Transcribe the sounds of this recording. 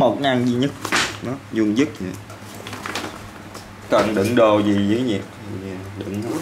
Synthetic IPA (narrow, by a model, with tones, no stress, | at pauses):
mo˨˩t̚ŋa˧mzi˧ɲə˦˥t̚ɗɔ˨˦zu˧əŋzɨ˦˥t̚ɲḭ˨˩ | kə˨˩nɗɨ̰˧˩˦ŋɗo˨˩wzi˨˩˨zḭ˨˩˨ɗɨ̰˧˩˦ŋ˨˦